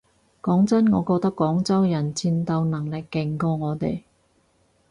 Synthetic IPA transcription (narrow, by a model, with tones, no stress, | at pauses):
kɔː˨˥ŋt͡sɐ˥nŋɔː˨˧koː˧t̪ɐ˥kːɔː˨˥ŋt͡sɐ˥wjɐ˨˩nt͡siː˧nt̪ɐ˧wnɐ˨˩ŋlɪ˨˩kːɪ˨˩ŋkɔː˧ŋɔː˨˧t̪ḛ˨˩j